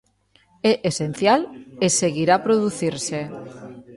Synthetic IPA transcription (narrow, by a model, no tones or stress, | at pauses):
ɛʔesen̟θjaleseɣiɾapɾoðuθiɾse